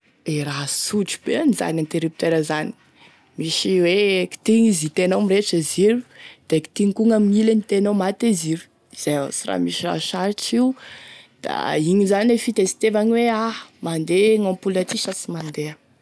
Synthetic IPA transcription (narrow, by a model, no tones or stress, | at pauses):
eɾasuʈ͡ʂi̥b̥eaniza̰nant̪eɾip̚t̪eɾəzani̥ | miʃiweki̥t̪iŋizit̪enomiɾeʈ͡ʂəziɾud̪̥eki̥t̪iŋikuŋamiilənit̪enomat̪eziɾu̥ | iz̥eja̰sira̰miʃira̰ʃaɾiʈ͡ʂiud̪̥a̰iɲizanilefit̪esi̥t̪evaɲiweamand̪eŋɔ̃pulat̪iʃasimand̪eə